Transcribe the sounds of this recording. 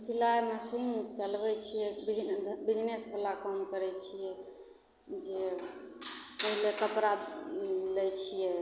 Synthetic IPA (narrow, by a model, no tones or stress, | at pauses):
silaeməsiŋɡt͡ʃəlbɛt͡ʃʰijɛbid͡ʒbid͡ʒnesbʰəlakəmkəɾɛt͡ʃʰijɛ | d͡ʒe | pəɦilekəpɾa | lɛt͡ʃʰijɛ